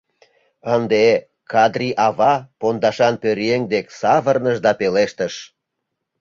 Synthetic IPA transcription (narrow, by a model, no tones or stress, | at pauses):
ənd̪e | kɑd̪rʲiʔɑβɑpond̪ɑʃɑnpøɾeŋd̪eksɑβərnəʃd̪ɑpeleʃt̪ə̆ʃ